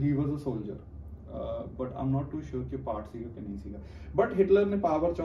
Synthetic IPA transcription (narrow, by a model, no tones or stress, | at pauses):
ɦiːʋɔzəsoːld͡ʒə̰ɾ | bɐʈã̰ɪ̃mnɔːʈːuːʃʊːɾkipaːɾʈsiːɡokenɐɦĩsiːɡa | bɐʈɦɪʈləɾnẽpaːʋəɾt͡ʃɔ̃